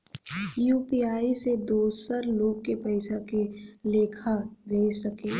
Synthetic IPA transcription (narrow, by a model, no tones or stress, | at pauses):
juːpiaːised̪oːsəɾloːɡ̚kepəɪsakeleːkʰaʋeːsɐkeː